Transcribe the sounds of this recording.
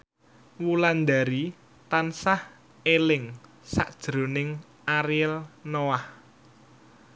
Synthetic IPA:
wuland̪aɾi | t̪ansah | elɪŋ | sa̰ʔd̥ʒ̥ɾo̤nɪŋ | aɾiɛlnoah

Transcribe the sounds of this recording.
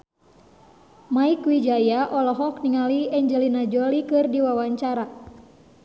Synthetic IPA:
maikwid͡ʒajaʔɔlɔɦɔkniŋaliɛɲd͡ʒɛlinad͡ʒɔlikɨrdiwawaɲt͡ʃaɾa

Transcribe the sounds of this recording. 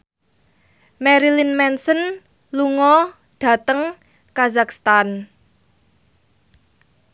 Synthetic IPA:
mɛɾilinmɛnsən | luŋɔ | ɖ̥ä̤t̪əŋ | kazakst̪an

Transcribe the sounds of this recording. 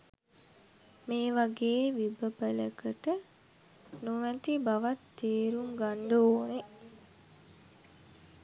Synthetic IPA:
meːʋaɡeːʋibəpələkəʈə | nuʋæt̪ibaʋat̪ːeːɾuŋɡaɳɖooːne

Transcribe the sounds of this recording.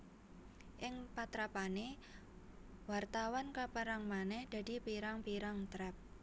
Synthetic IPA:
ʔɪŋpat̪ɾapane | wart̪awankapəɾaŋmanɛhd̪̥a̤d̥̪i̤piɾaŋpiɾaŋt̪ɾɛp̚

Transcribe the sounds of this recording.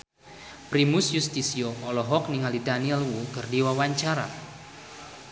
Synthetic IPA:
pɾimʊsjust̪isioʔɔlɔɦɔk̚niŋalidaniɛlwukərdiwawaɲt͡ʃaɾa̰

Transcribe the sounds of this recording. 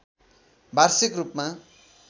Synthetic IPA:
bʱarsikrupma

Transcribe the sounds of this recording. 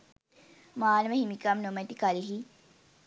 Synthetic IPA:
maːnmehimikamnomet̪ikaliɦi

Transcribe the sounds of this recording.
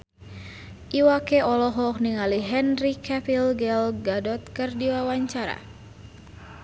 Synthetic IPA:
ʔiwakɛɔlɔɦɔk̚niŋaliɦɛnrikɛpilɡɛlɡadɔt̪̚kɨrdiwawaɲt͡ʃaɾa̰

